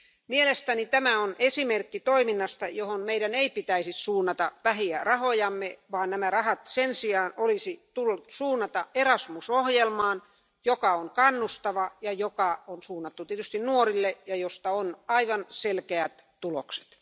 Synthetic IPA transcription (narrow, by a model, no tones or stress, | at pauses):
mielest̪ænit̪æmæonʔesimerkːit̪oiminːɑst̪ɑjohonmeiɾæneipit̪æisissuːnːɑt̪ɑʋæhiærɑhojɑmːeʋɑːnnæmærɑhɑt̪sensiɑːnolisit̪ulːut̪suːnːɑt̪ɑʔerɑsmusohjelmɑːn | jokɑoŋkɑnːust̪ɑʋɑjɑjokɑonsuːnːɑt̪ːut̪iet̪yst̪innuorilːejɑjost̪ɑonɑiʋɑnselkeæt̪t̪ulokse̥t̪